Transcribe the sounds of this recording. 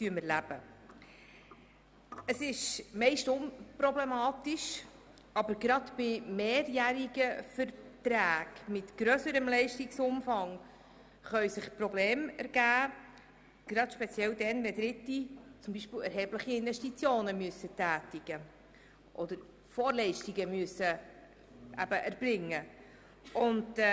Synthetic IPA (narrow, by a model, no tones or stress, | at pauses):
tyəməɾlæb̥ə | əsɪʃmɛɪʃtʊmpɾɔblɛmɑːtɪʃ | ɑbəɾɡɾɑd̪b̥ɪmeːɾjæɾiɡəfəɾtɾæːɡ̥mɪtɡ̥ɾøsəɾəmlɛɪʃtɪksʊmfɑŋ | χœɥsɪχpɾɔbleːmæɾɡ̥æː | ɡ̥ɾɑtʃpɛt͡sjɛld̪ɛnvɛd̪ɾɪtːit͡sʊmbiːʃpiːlɛɾɦɛbləχiɪnvɛʃtit͡sjoːnəmyəsətæːtiɡ̥ə | ʔɔd̪əɾ | fɔːɾlɛɪʃtiɡəmyəsə | ʔæbəʔæɾb̥ɾɪŋːə | ʔʊnt